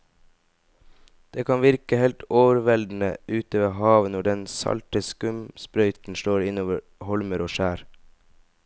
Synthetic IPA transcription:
d̪̥eːkʰɑnʋɪɾkəhɛlt̪oːʋəɾʋɛld̪n̩əʔʉːt̪əʋeːhɑːʋənɔɖɛnsɑ̰lt̪əskʉmspɾœʏt̪n̩ʃloːɾɪnoːʋəɾ | hɔlməɾoːʃæːɾ

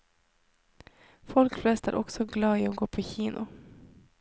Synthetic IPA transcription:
fɔlkflɛst̪æ̰ɾʔɔksɔɡlɑːɪɔɡoːpʰɔçiːnʔʊ

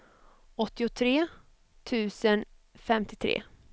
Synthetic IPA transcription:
ɔt̪ːɪʊt̪ʰɾeː | t̪ʰʉ̟ːsən | fɛmt̪ɪt̪ʰɾḛː

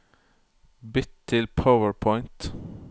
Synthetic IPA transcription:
bɪt̪ʰːɪlpʰaʊəɹpʰɔɪnt̪

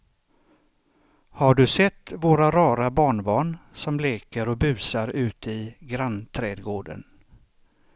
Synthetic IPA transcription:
haɖɵsɛt̪ːvoːɾaɾɑːɾabɑːɳbɑːɳsɔmleːkəɾɔbʉ̟ːsaɾʉ̟ːt̪ɪɡɾant̪ʰɾɛːd̪ɡoːɖə̰n

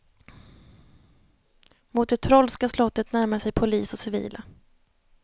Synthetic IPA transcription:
mʊt̪̚d̪ɛt̪ʰɾɔlskaslɔt̪ːət̪næɾmaʂɛjpʰʊliːsɔsɪvḭːlʔa

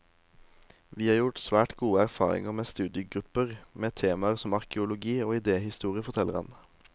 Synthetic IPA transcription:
ʋiːhɑːʁjʊʈsʋæːʈɡuːəæʁfɑ̰ːʁɪ̰ŋəʁmeːst̪ʉːd̪ɪəɡʁʉpəʁmeːt̪ʰeːmɑəʁsɔmɑʁkəʊlʊɡiːoːɪd̪eːhɪst̪uːʁɪəfɔt̪ʰɛləʁɑ̰n

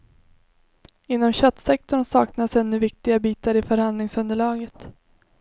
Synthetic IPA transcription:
ɪnːɔmɕœt̪sɛk̚t̪ɔɳsɑːknasɛnːɵvɪk̚t̪ɪɡabiːt̪aɾɪfœɾhand̪lɪŋsɵnd̪əɭɑːɡət̪

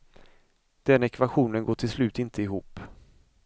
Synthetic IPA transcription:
d̪̥ɛnɛkvaɧuːnənɡoːʈʰɪlslʉ̟ːt̪ɪnt̪ʰəɪɦuːpː

